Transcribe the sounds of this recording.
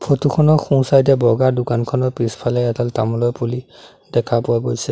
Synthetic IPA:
pʰotukʰɔnɔxũsajtɛbɔɡaɹdʊkankʰɔnɔɹpɹispʰalɛataltamɔlɔjpuli | dɛkʰapʊwaɡojsɛ

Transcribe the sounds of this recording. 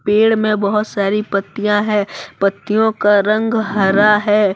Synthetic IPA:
peːɽmẽbɐɦʊt̪saːɾipɐt̪ːijãɦɛ̃ːpɐt̪ːijõkaɾɐ̃ŋɡɦɐɾaɦɛː

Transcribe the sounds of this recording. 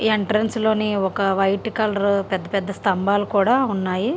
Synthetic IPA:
eɳʈɾɐnslo̞ːniɔkɐʋɐjʈikɐlɾpɛd̪ːɐpɛd̪ːɐst̪ɐmbaːlukuːɽaːunːaːji

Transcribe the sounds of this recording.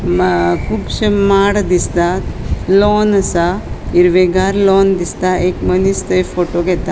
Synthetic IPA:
kubʃemaːɽd̪ist̪aloːnɐsaiɾʋeɡaːɾloːnd̪ist̪aeːkmɐnist̪ɐjpʰoːʈoɡet̪ːa

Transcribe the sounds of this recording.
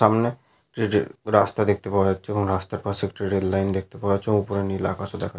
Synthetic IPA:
ʃamne | kʈiɾɾast̪ad̪ek̚ʰt̪epaoeatːʰeeboŋɾast̪aɾpat͡ɕʰekʈiɾelːajnd̪ek̚t̪epaweat͡ɕʰeõupoɾenila̰kat͡ɕʰod̪ɛkʰa

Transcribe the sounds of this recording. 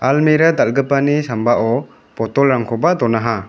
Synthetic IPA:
almiɾad̪alɡɯpanisambaʔɔ | pɔtɔlɾaŋkʰɔbad̪ɔnaɦa

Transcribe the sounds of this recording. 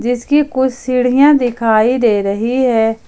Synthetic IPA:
d͡ʒɪskikʊt͡ʃʰsɪɽ̤ijãd̪ɪkʰaːid̪eːɾəɦiɦɛː

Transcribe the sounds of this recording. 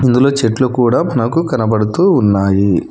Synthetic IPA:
ind̪ulo̞ːt͡ʃeʈlokuːɽaːmɐnɐkukɐnɐbɐɽut̪uːnːaːji

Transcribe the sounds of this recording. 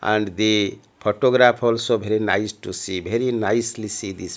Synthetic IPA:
ã̰ɳɖd̪i | pʰoʈoɡɾapʰolsobʱeɾinajsʈusibʱeɾinajslisid̪is

